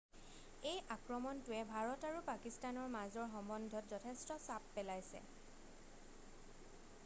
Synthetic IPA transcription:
ejʔakɹɔmɔntʊɛbʱaɹɔtaɹupakistanɔɹmazɔɹxɔmbɔndʱɔtzɔtʰɛstɔsapːɛlajsɛ̰

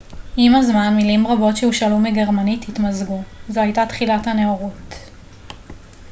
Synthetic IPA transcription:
ʔimazmanmilimʁabo̞tʃeuʃalumeɡe̞ʁmanititmazɡuzoajtatχilathaneoʁut

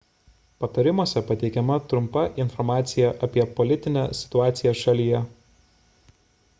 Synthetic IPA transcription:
pɐt̪ɐɾʲɪmuɔsʲɛpɐt̪ʲɛɪkʲɛmɐt̪ɾʊmpɐʔɪnfɔɾmɑːt̪sʲɪjɛʔɐpʲiɛpɔlʲɪt̪ʲɪnʲæːsʲɪ̥t̪ʊɑːt̪sʲɪjɛʃɐlʲijɛ

